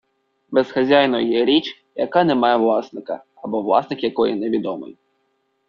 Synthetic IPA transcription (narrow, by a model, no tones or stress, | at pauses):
bezxɐzʲajnɔjɛɾʲit͡ʃ | jɐkɑnɛmɑjɛʋlˠɑsnɪkɐ̰ | ɐbɔʋlˠɑ̰snɪkjɐkɔjineʋʲid̪ɔmɪ̰j